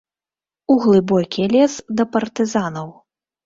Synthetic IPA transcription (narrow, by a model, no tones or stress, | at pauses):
uɣlˠɨbɔkʲilʲɛsd̪ɐpɐrt̪ɨzanɐw